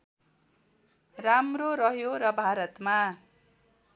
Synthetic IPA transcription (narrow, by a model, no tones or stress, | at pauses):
ramroɾʌɦjoɾʌbʱaɾʌt̪ma